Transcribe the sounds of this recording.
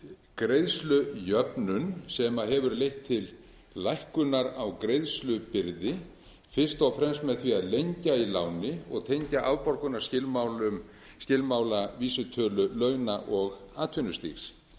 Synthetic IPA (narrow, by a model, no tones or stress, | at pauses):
kɾejðslʏjœpnʏnsɛmaɦɛvʏɾlejht̪ʰːɪl | lajhkʏnaɾawkɾejðslʏpɪɾðɪ | fɪr̥st̪awfɾɛmsmɛðθviaðlejɲcailaːwnɪɔ̰ɣt̪ʰejɲcaʔawpɔɾkʏnaɾ̥scɪlmawlʏm | scɪlmaːwlaviːsʏt̪ʰœːlʏlœɥnaʔɔɣaːt̪ʰʏnʏst̪ḭxs